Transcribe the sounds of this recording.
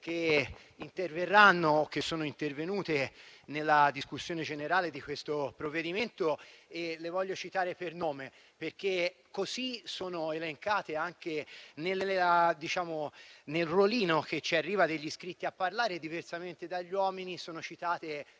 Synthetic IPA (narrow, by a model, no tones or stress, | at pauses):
k̟e | int̪erverːanːoːkːesːoːnoint̪ervenuːt̪enelːad̪iskusːjoːned͡ʒeneɾaːled̪ikwest̪opɾovːed̪iment̪oelevɔʎːot͡ʃit̪aːɾepernoːme | perkekːosisoːnoeleŋkaːt̪eaŋkenelad̪it͡ʃaːmonelroliːnok̟et͡ʃiarːiːvad̪eʎːiskɾit̪ːiapːarlaːɾed̪iversament̪ed̪aʎːwɔːminisoːnot͡ʃit̪aːt̪e